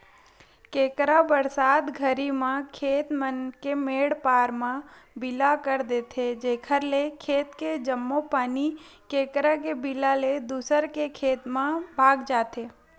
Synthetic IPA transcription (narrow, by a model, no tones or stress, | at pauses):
keːkɾabəɾsaːd̪ɡʱəɾimãkʰeːt̪mənkemeːɽpaːɾmãbɪlakəɾd̪eːt̪ʰed͡ʒeːkʰəɾlekʰeːt̪ked͡ʒəmːopaːnikeːkɾak̬ebilaled̪uːsəɾkekʰeːt̪mãbʱaːɡd͡ʒaːt̪eː